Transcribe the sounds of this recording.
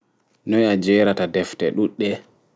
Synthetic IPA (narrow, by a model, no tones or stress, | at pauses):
nɔjad͡ʒɛːɾatadɛftɛɗuɗːɛ